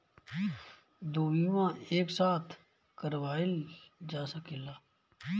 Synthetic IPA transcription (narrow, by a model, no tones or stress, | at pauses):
d̪oːʋiːʋãːeːksaːt̪ʰ | kəɾʋaːild͡ʒaːsəkilaː